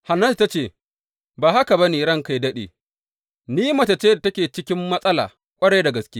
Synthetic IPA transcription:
ha˨nɐ˦stːa˦t͡ʃeː˦˨ | baː˨ha˦ka˨bɐ˦niː˨ɾɐ˦ŋka˨jdɐ˦ɗḛː˨ | niː˦mɐ˨ta˨t͡ʃeː˦da˨tɐ˦kʲeː˨t͡ʃɪ˦kʲɪ˦mːɐ˦sʼɐ˦la̰ː˨ | kʷʼɐ˦ɽe˦da˨ɡɐ˨skʲeː˦

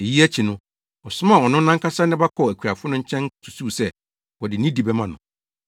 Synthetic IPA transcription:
e˨ji˦æ˦t͡ɕʰi˨nʊ̃˦ | ɔ˨sʊ˦mã˨ɔ˨nʊ̃˦nã˦ŋkʰa˦sa˦nɪ̃˦ba˦kʰɔ˨æ˨kʰᶣa˨fʊ˦nʊ̃˦ɲ̩˦t͡ɕʰɛ̃˦n˦tʰu̥˨suː˦˨sɛ˦ | wɔ˨dɪ˨nĩ˦di˨bɛ˦mã˨nʊ̰̃˨

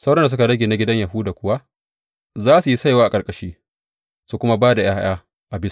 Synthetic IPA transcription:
sa˦wɽɐ˦nda˨s̬ʊ˦ka˨ɽɐ˦ɡʲeː˨na˨ɡʲɪ˦dɐ˦ɲja˨ɦu˦daː˨kʷʊ˦wa˦ | zaː˦su˨ji˦sa˦jwaː˦ʔa˨kʼɐ˨kʼɐ˨ʃiː˦ | su˦kʷʊ˦ma˦baː˦da˨jaː˦ʔaː˦ | ʔa˨bɪ˦s

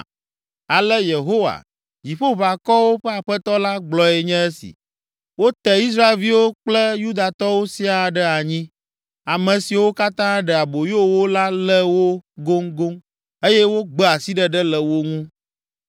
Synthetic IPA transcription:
a˨lə˦je˨ɦo˦wa̰˨ | d͡ʑi˨ɸo˦va˨kɔ˦wo˦ɸɛ˦a˨ɸɛ˦t̪ɔ˦la˦ɡ͡blɔ˨ɛ˨ɲɛ̃˦e˦sḭ˨ | wo˦t̪ɛ˨i˦s̬ɾa˦e˨lvi˦wo˦k͡plɛ˦ju˦d̪a˨t̪ɔ˦wo˦si˦a˨ɖɛ˦a˨ɲĩ˦ | a˨mɛ̃˨si˨wo˦ka˦t̪ã˦ɖɛ˨a˨bo˨jo˦wo˦la˦lɛ˦wo˦ɡo˦ŋɡo˦ŋ | e˦jɛ˦wo˦ɡ͡bɛ˦a˨si˦ɖɛ˦ɖɛ˦lɛ˨wo˦ŋũ˦

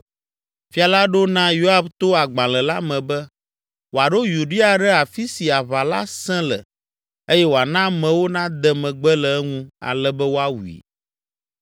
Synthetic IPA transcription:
fi˦a˨la˦ɖo˦nã˦jo˦a˦bt̪o˦a˨ɡ͡bã˨lɛ˨la˦mɛ̃˨bɛ˦ | wo˨a˨ɖo˦ju˨ɖi˦a˨ɖɛ˦a˨fi˦si˨a˨βa˨la˦sɛ̃˦lɛ̰˨ | e˦jɛ˦wo˨a˨nã˦mɛ̃˨wo˦nã˦d̪ɛ˨mɛ̃˨ɡ͡bɛ˦lɛ˨ɛ˦ŋũ˦a̰˨lɛ˦bɛ˦wo˦a˦wu˨ḭ˨

